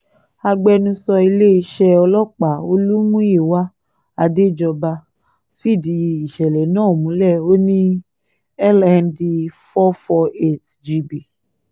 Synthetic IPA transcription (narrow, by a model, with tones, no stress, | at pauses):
a˧ɡ͡bɛ˧nũ˧sɔ˧i˧le˦i˧ʃɛ˧ɔ˧lɔ˦k͡pa˨˦o˧lu˦mũ˦i˦˨wa˦ | a˧de˦˨d͡ʒɔ˧ba˧ | fi˦˨di˨ji˧i˨ʃɛ˨lɛ˨˦nãː˦˨mũ˨˦lɛ˦˨o˦nĩ˦ | ɛ˦lɛ̃˧ndi˧fɔ˦fɔ˧e˦˨t | d͡ʒi˧bi˨